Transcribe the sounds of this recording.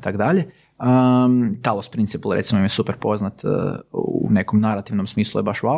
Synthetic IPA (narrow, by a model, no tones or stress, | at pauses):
t̪akd̪aʎe | ət̪alˠospɾint̪sipalˠɾet̪simoimjsupeɾpo̞znat̪ | une̞komnaɾat̪iʋnomsmiːslˠujebaʃuʋa